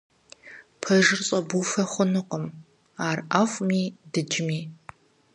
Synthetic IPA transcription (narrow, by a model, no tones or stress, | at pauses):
pʰɐʒɪrɕʼɐbufɐχʷʊnɨqəm | aːrʔaχʷmiːdɨd͡ʒɪmiː